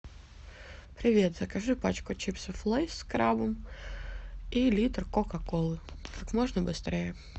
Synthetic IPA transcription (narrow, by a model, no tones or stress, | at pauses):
pɾʲɪvʲe̞t̪zəkɐʐɨpat͡ɕkʊt͡ɕipsʲəflˠejskɾabəm | ilʲit̪rkokɐkolˠɨkakmoʐnəbɨst̪ɾʲejə